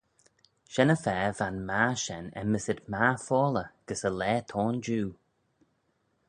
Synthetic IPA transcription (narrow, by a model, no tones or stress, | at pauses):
ʃɛnəfɛːvanmaʃɛnɛ̰məsɪd̪̚maːfɔːləɡ̥əsəlɛːt̪ʰɔːnd͡ʒuː